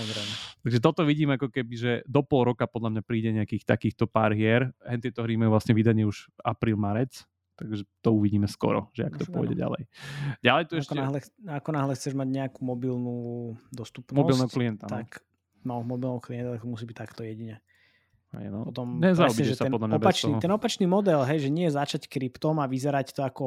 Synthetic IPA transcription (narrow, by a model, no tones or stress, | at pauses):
ɔd̪ɾɛnɛt̪aɡʒɛt̪̬ɔt̪ɔʋiɟiːmɛakɔkɛbiʒɛd̪ɔpɔlˠɾɔkapɔd̪lamɲapɾiːɟɛɲɛakiːxt̪akiːxt̪ɔpaɾɦɪɛɾɦɛnt̪̬ɛt̪ɔɦɾimajuʋlasɲɛʋid̪aɲɪɛuʒapɾiːlˠmaɾɛt͡s | t̪aɡʒɛt̪ɔuʋiɟiːmɛskɔ̰ɾɔ̰ʒɛa̰kt̪ɔpɔ̰j̰ɟɛ̰ɟa̰lɛ̰jɟalɛjt̪uɛʃɛɦlɛakɔnaɦlɛxt͡sɛʒmaɟɲɛakumɔbilnud̪ɔst̪upnɔbɔsilˠnɛɦɔkliɛnt̪anak | malmɔbilˠnɛɦɔkliɛnt̪at̪ɛkt̪ɔmusiːbic̚t̪akt̪ɔjɛɟiɲɛ | hɛ̰jnɔɔt̪ɔmɲɛzaubiɛʒɛtsaɛnɔd̪lamɲɔabɛpat͡ʃnit̪ɛnɔpat͡ʃniːmɔd̪ɛlɦɛjʒɛɲɪɛjɛzat͡ʃackɾipt̪ɔmaʋizɛɾact̪ɔakɔ